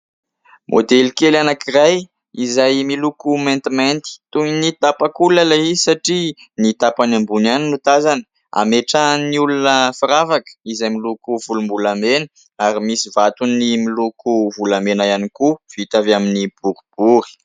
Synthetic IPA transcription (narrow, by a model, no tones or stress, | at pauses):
mʔo̰d̪elkelanakiraj | izajmilukument̪iment̪i̥t̪uinit̪apakulaleiisaʈ͡ʂi | nit̪apanambunaninut̪azanə̥ | a̰meʈ͡ʂəniulunəfiɾavakə̥izajmilukuvulumbulamenə | aɾimisivat̪unːimilukuvulamenajanikuv̥it̪avaminib̥uɾib̥uɾi̥